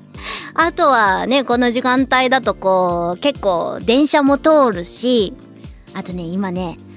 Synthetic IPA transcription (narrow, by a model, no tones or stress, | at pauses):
at̪o̞βane̞ko̞no̞ʑikãnt̪aid̪at̪o̞koːke̞kːo̞̰ːd̪ẽ̞ɰ̃ɕamo̞t̪o̞ːɾɯ̟ɕi | at̪o̞ne̞imane̞